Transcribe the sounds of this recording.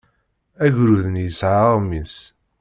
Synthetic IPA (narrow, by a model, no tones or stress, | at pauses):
æʝɾuðənjəsʕaˤmis